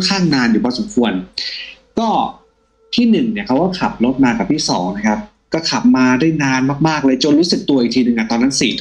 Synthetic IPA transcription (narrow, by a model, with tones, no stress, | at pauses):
kʰaː˥˩ŋnaː˧njuː˩bɔː˧so˨˩˦mkʰu˧ən | kɔː˥˩ | t̪ʰiː˥˩nɯ˨˩ŋni˧˩ɐkʰa˦˥wkɔː˥˩kʰa˨˩p̚lo˦˥t̪̚maː˧ka˨˩p̚t̪ʰiː˥˩sɔ̰ː˩˦ŋna˦˥kʰa˦˥p̚ | kɔː˥˩kʰa˨˩p̚maː˧daː˥˩jnaː˧nmaː˥˩k̚maː˥˩k̚lɤː˧jt͡ɕo˧nɾuː˦˥sɯ˨˩k̚t̪u˧ɐʔiː˨˩t̪ʰiː˧nɯ˧ŋʔa˧˨˩t̪ɔː˧nːa˦˥nsiː˨˩t̪ʰ